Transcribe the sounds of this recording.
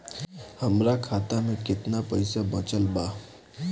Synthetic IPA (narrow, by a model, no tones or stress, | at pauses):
hɐmɾakʰaːt̪amẽkɪt̪napɐɪsabɐ̃t͡ʃəlbaː